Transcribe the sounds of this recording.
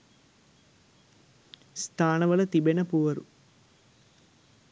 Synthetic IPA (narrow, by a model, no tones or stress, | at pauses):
st̪ʰaːnɐʋɐlɐt̪ibenɐpuʋɐɾu